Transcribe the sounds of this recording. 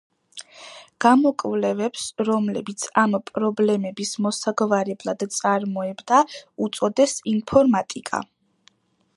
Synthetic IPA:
ɡ̥amɔkʼvlɛvɛpsɾɔmlɛbit̪sʰampʼɾɔblɛmɛbismɔsaɡvaɾɛblˠad̪̥t̪sʼaɾmɔɛbd̪aut̪sʼɔd̪ɛsinpʰɔɾmat̪ʼikʼa̰

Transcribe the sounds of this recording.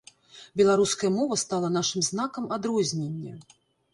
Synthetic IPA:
bʲɛlˠaɾuskɐjɐmɔvɐst̪alˠɐnaʂɨmznakɐmad̪ɾɔzʲnʲenʲːɐ

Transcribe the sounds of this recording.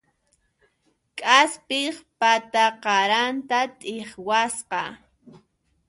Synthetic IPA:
kʼaspɪχpat̪aqɑɾant̪at̪ʼɪχwasqɑ

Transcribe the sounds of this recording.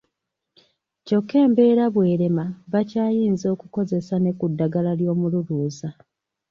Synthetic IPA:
co̞kːe̞ːmbe̞ːɾaβwe̞ːɾe̞maβacaːjiːnzo̞ːkuko̞ze̞sane̞kudːaɡalaljo̞ːmululuːza

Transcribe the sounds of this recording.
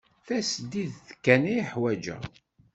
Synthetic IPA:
θæsd̪iðθəkːæniiħwæd͡ʒæ̰

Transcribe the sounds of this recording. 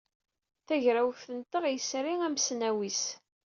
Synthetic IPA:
θæʝɾæwθənt̪əʁjəsɾiŋæmsnæwis

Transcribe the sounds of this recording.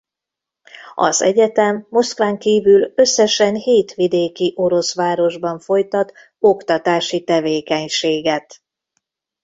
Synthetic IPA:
ɒ̰zɛ̰ɟɛt̪ɛmːo̞skʋaːŋkiːvylø̞sːɛʃɛnheːt̪ʋid̪eːkiʔo̞ɾo̞sʋaːɾo̞ʒbɒɱfo̞jt̪ɒt̪ | o̞kt̪ɒt̪aːʃit̪ɛveːkɛɲʃeːɡɛt̪

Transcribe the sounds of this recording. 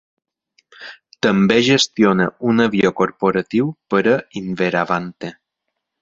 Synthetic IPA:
t̪əmbeʒest̪ionəunəβjokoɾpoɾət̪iwpəɾəinveɾaβant̪e

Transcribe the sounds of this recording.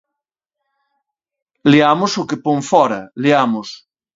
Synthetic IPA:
liamʊsʊkepoŋfɔɾɐliamʊs

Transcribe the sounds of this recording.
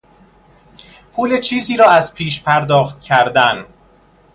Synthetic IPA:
pʰuːlet͡ʃʰiːziːɾɒːæzpʰiːʃpʰæɾd̪ɒːxt̪cʰæɾd̪æn

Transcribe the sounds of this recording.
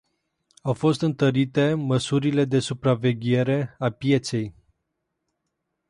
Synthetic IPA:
awfo̞st̪ɨnt̪əɾit̪e̞məsuɾile̞d̪e̞supɾave̞ɡʲe̞ɾe̞apje̞t̪se̞j

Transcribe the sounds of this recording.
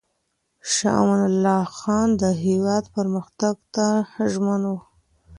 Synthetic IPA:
ʃɑ̰ʔmanalːɑxɑnd̪əɦewɑd̪pəɾməxt̪aɡt̪aʒmanwu

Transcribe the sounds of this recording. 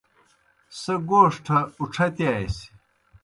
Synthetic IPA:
sɐɡoːʂʈʰɐuʈ͡ʂʰɐt̪jaːjsi̥

